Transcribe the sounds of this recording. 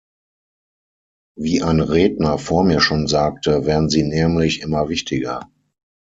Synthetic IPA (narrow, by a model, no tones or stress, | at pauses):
viːʔaɪnʁeːdnɐfoːɐmiːɐʃoːnzaːk̚tʰəvɛːɐʁn̩ziːnɛːmlɪçʔɪmɐvɪçtʰɪɡɐ̰